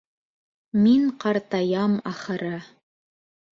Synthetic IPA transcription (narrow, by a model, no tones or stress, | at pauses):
miŋqɑɾt̪ɑjɑmɑχɤ̆ɾɤ